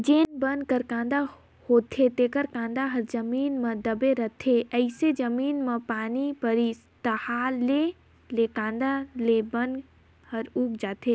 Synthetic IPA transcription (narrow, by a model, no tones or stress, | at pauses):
d͡ʒeːnbən̚kəɾkãnd̪a | hot̪ʰet̪ekəɾkãnd̪aɦəɾd͡ʒəmiːnməd̪əbeɾət̪ʰeəɪsed͡ʒəmiːnmepaːnipəɾist̪əhale | lekãːnd̪alebən | həɾuːkd͡ʒaːt̪ʰe